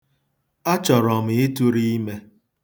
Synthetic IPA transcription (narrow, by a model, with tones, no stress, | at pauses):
a˦t͡ʃɔ˨ɾɔ˨m̩˨e˦tu˦ɾi˦i˦me˦